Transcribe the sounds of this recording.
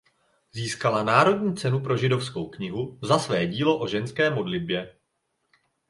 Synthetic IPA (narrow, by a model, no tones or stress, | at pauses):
ziːskalanaːɾo̞dɲiːt͡sɛnupɾo̞ʒɪdo̞fsko̞wkɲɪɦuzasvɛːɟiːlo̞ʔo̞ʒɛnskɛːmo̞dlɪd̚bjɛ